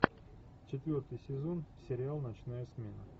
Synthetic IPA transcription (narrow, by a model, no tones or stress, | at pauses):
t͡ɕɪt̪vʲo̞rt̪ɨjsʲɪzo̞nsʲɪɾʲɪalˠnɐt͡ɕnajəsmʲe̞nə